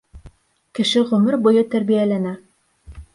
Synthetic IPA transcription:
kɘ̆ʃɘʁɵ̆mɘɾbujɤt̪æɾbijælænæ

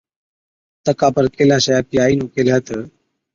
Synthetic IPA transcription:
t̪əkapəɾkelaɕəjap̚iːainũːkelɦət̪əː

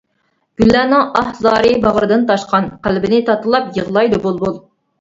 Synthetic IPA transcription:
ɡ̥ʲylːæːnɨŋɑhzɑːɾɨbɑʁəɾɨd̪ɨnt̪ɑʃqɑnqælbɪnɪt̪ʰɑt̪ɨlˠɑpjəʁlˠɑjd̪obolˠbolˠ

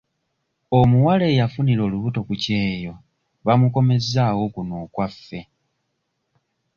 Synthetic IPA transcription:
omuwale̞ːjafuniɾo̞ːluβuto̞kuce̞ːjo̞ | βamuko̞me̞zaːwo̞kunoːkwafːe̞

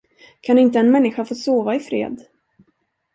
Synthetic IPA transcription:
kʰanɪnt̪əɛnmɛnːɪɧafoːsoːvaɪfɾḛːd̪

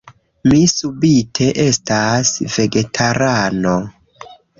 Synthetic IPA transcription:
misubitʰe̞ʔe̞stasve̞ɡe̞tʰaɾano

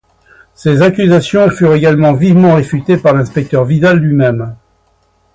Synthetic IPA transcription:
sezakʲyzasjɔ̃fyʁeɡalmɑ̃vivmɑ̃ʁefyt̪epaʁlɛ̃spɛk̚t̪œʁvid̪alːɥimɛm

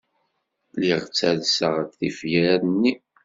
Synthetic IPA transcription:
liʁt͡sːæðsəʁækθifjæɾæðnːi

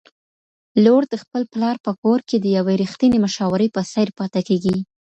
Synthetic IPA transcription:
loɽd̪əxpəlplɑɾpəkoɾked̪əjaweɾixt̪ineməʃɑwəɾəjpəsajɾpɑt̪akeɡi

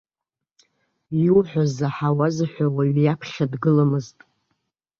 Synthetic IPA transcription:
jwħʷᶣazaħawazaħʷawaɥjapʰχʲadɡɨlamɨztʼ

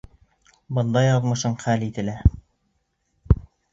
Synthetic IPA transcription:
bɤ̆nd̪ɑjɑðmɤ̆ʃɤɴχælit̪ɘ̆læ

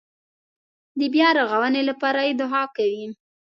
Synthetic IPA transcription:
d̪əbjɑɾaɣawənelapɑɾajed̪ʊɦɑkawi

